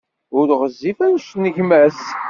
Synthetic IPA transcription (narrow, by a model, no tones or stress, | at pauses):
ʊɾʁəzːifænʃtnəʝmæs